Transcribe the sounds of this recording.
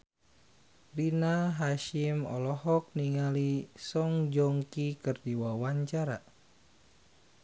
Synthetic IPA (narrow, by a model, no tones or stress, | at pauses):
rinaɦaʃimɔ̰lɔɦɔk̚niŋalisɔŋd͡ʒɔŋkikɨrdiwawaɲt͡ʃaɾa